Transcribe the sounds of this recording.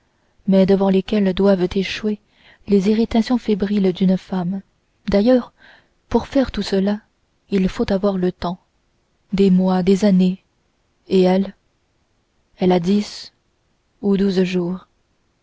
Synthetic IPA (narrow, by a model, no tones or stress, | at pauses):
mɛd̪əvɑ̃lekʲɛld̪wavt̪eʃwe | leziʁit̪asjɔ̃febʁild̪ynfam | d̪ajœːʁ | puʁfɛʁt̪usəla | ilfot̪avwaʁlət̪ɑ̃ | d̪emwad̪ezane | eɛl | ɛlad̪is | ud̪uzʒuːʁ